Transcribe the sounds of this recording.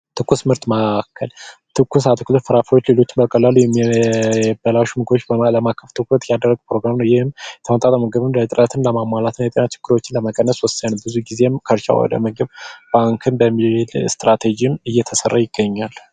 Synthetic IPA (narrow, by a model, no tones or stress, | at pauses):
t̪ʰɨkʰːusmɨɾt̪məkʰːəlt̪ʰɨkʰːusat̪ʰɨkʰulət̪fɨɾafəwot͡ʃːle̞lo̞t͡ʃːɪmbəkʼəlːəlujɛmi | bəlawʃmɨɡot͡ʃːbələmakʰːəft̪ʰɨkət̪jad̪ərːəɡpɾo̞ɡɾamnəwjɪhɨmjɛt̪ʰəmət̪ʼat̪ʼəməɡəβɨnlət̪ʼɨɾət̪ʰɨnləmamːalat̪nəjɛt̪ʼənat͡ʃʰɪ̥ɡ̥ːɨɾo̞t͡ʃːɪnləməkʼənːəswɔsːənːəbɨzuɡize̞mkʰəɾt͡ʃʼa̰wɔ̰d̪ə̰məɡɨβb̥aŋkʰɨnbəmːilst̪ɾat̪ʰed͡ʒimɨjːɛt̪ʰəsərːajɪɡ̥ːəɲːal